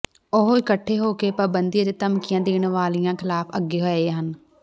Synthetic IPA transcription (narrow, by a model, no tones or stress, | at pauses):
ʊɦoːɪkəʈʰːeːɦoːkeːpaːbənd̪ijad̪eːt̪əmkɪjãːd̪eːɳʋaːlijãːkʰɪlaːpʰəɡːeːɦoeːɦən